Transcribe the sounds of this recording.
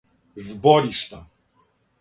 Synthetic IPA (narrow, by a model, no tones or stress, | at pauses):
vbɔɾʲiʂt̪a